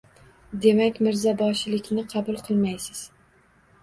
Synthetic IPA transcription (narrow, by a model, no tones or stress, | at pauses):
d̪e̞makʲmɪɾzabɒʃɪlɪkʲnɪqʰɑbʊlˠqʰɨlˠmajsɪz̥